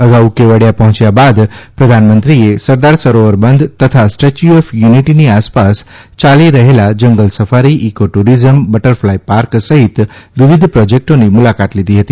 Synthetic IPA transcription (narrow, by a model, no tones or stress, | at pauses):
əɡaukeʋəɽjapəɦɔ̃t͡ʃjabad̪pɾəd̪ʱanmənt̪ɾiesəɾd̪aɾsəɾoʋəɾbənd̪ʱt̪ət̪ʰasʈet͡ʃuɔfjuniʈiniaspast͡ʃaliɾəɦelad͡ʒəŋɡəlsəfaɾiʔikoʈuɾizəmbəʈəɾflajpaɾksəɦit̪ʋiʋid̪ʱpɾɔd͡ʒek̚ʈonimulakat̪lid̪ʱiɦət̪i